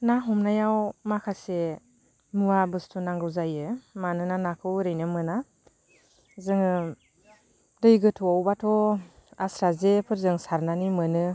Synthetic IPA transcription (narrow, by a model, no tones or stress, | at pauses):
naɦɔmnajawmakʰase | muabɯstʰunaŋɡɯwzajɯmanɯnanakʰɯwɾɯjnɯmɯna | zɯŋɯ | dɯjɡɯtʰɔawbatʰɔasɾazepʰɯɾzɯŋsaɾnanimɯnɯ